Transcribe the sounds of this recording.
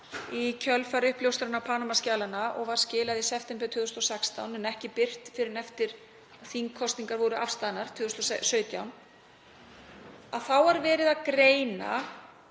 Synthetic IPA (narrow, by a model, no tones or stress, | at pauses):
icʰœlfaɾʏhpljowst̪ɾanapʰaːnamascaːlanaʔɔɣvaɾ̥scɪːlaðisɛft̪ɛmpɛt̪ʰʏːðʏst̪ɔsɛkst̪awnɛnɛhcɪpɪr̥t̪fɪɾɪɾɛft̪ɪɾ̥ | aðθiŋkʰɔst̪niŋkaɾvɔːɾʏʔafst̪aðnaɾ̥t̪ʰʏːðʏst̪ɔsœːɥt̪jawm | aðθawaɾvɛːɾɪðaðkɾeːjna̰